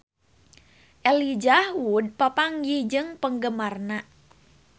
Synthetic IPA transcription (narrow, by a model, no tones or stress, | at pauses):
ʔɛlid͡ʒahud̚papaŋjid͡ʒɨŋpəŋɡəmarna